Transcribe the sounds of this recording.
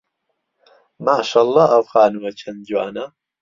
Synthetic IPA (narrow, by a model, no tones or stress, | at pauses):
maːʃaːlˤːɑːɐwxaːnɨwɐt͡ʃʰɐnd͡ʒwaːnɐ